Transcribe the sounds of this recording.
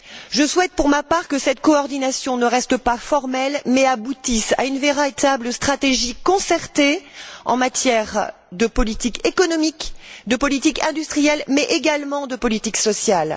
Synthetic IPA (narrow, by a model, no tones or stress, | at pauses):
ʒəswɛt̪̚puʁmapaʁkəsɛt̪̚kɔɔʁd̪inasjɔ̃nəʁɛst̪əpafɔʁmɛlmɛabut̪isa̰ynveʁat̪abləst̪χat̪eʒikɔ̃sɛʁt̪eɑ̰̃mat̪jɛʁ | d̪əpɔlit̪ikekɔnɔmikd̪əpɔlit̪ikɛ̃d̪yst̪χijɛlmɛʔeɡalmɑ̃d̪əpɔlit̪iksɔsjal